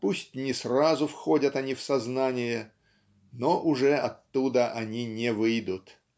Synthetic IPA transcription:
pusʲtʲnʲɪsrazʊfxodʲət̪ɐnʲifsɐznanʲɪjə | noʔʊʐɛʔɐt̪ːud̪əʔɐnʲinʲɪvɨjd̪ʊt̪

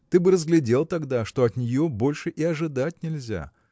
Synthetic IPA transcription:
t̪ɨbɨɾəzɡlʲɪdʲe̞lˠt̪ɐɡd̪aʂt̪o̞ɐt̪nʲɪjo̞bo̞lʲʂɨʔɪɐʐɨd̪at̚ʲnʲɪlʲzʲa̰

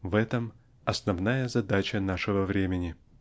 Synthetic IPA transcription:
vɛt̪əm | ɐsnɐvnajəzɐd̪at͡ɕənaʂɨvəvɾʲemʲɪnʲɪ

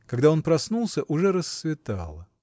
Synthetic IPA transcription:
kɐɡd̪ao̞npɾɐsnulˠsʲəʔʊʐɛɾəsːvʲɪt̪a̰lˠə

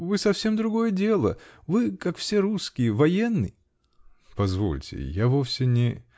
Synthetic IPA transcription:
vɨsɐfsʲe̞md̪ɾʊɡo̞jədʲe̞lˠəvɨkakfsʲe̞ɾuskʲɪjəvɐjenːɨj | pɐzvo̞̰lʲtʲɪ̰javofsʲɪnʲɪ

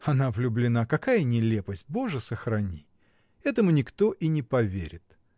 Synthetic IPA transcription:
ɐnavlʲʊblʲɪnakɐkajənʲɪlʲe̞pəsʲt̚ʲbo̞ʐɨsəxɾɐnʲi | ɛt̪əmʊnʲɪkt̪o̞ʔinʲɪpɐvʲeɾʲɪt̪

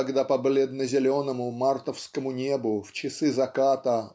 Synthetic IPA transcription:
ɐɡd̪apɐblʲed̪nəzʲɪlʲo̞nəmʊmart̪əfskəmʊnʲe̞bʊft͡ɕɪsɨzɐkat̪ə

